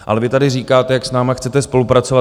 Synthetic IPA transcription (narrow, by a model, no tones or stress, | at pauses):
ʔa̰lɛvɪt̪adɪriːkaːt̪ɛjaksnaːmaxt͡sɛt̪ɛspo̞lupɾat͡sova